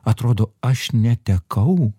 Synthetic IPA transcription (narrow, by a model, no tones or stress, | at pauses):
ɐt̪ɾoːd̪oːɐʃnʲɛt̪ʲɛkʰɐʊ